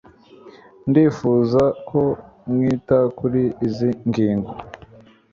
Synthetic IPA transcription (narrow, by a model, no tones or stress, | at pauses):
ndiːfuːzakʰomŋiːtakuɾiːziŋɡiːŋɡo